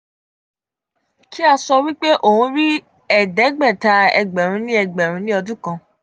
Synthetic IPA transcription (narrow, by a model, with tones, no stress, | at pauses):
kʰi˦a˧sɔ˧wi˦k͡pe˦ʔo˨hũ˧˦ɾi˦ | ɛ˦˨dɛ˨˦ɡ͡bɛ˦˨ta˨˦ɛ̰˧ɡ͡bɛ˨ɾ̃ũ˨˧˦nĩ˦ɛ˧˨ɡ͡bɛ˨ɾ̃ũ˨˦nĩ˦ɔ˧dũ˦kã˧